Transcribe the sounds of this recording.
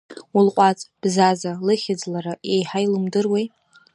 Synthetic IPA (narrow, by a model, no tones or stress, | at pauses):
ulqʷʼat͡sʼb̥zazalɨχʲɪd͡zlaɾaʔejħajlɨmdɨrwej